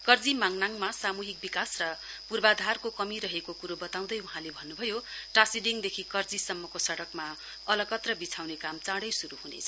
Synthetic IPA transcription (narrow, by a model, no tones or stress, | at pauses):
kʌrd͡zimaŋnaŋmasamuɦik̚bikasrʌ | purbad̪ʱarkokʌmiɾʌɦekokuɾobʌt̪aw̃d̪ʌjuɦãlebʱʌnːubʱʌjoʈasiɖiŋd̪ekʰikʌrd͡zisʌmːʌkosʌɽʌkma | ʌlʌkʌt̪rʌbit͡sʰawnekamt͡saɽʌjsuɾuhunḛt͡sʰʌ